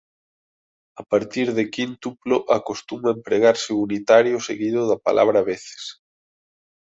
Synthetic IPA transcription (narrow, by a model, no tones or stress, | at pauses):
apaɾt̪iɾðekint̪uploʔakost̪umɐempɾeɣaɾsɪunit̪aɾjʊseɣiðʊðɐpa̰lʔa̰βɾaβeθɪ̥s